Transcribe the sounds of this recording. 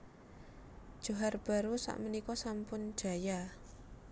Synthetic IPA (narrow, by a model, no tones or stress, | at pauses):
d̥ʒ̥o̤ɦarb̥a̤ɾusa̰ʔmənikɔsampʊn̥ʒ̥a̤ja